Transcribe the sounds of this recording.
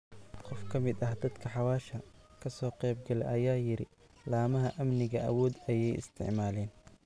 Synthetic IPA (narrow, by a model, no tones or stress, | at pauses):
qɔfkʰɐmɪd̪ɐhd̪ɐd̪kʰɐħɑwaːʃɐkʰɐsɔːqɛjb̚ɡɐlɛ̰ʔɐjaːjɪɾɪ | laːmɐɦɐʔɐmnɪɣɐʔɐ̰wɔːd̪ɐjɛjɪ̰st̪ʰɪ̰ʕmaːlɛːn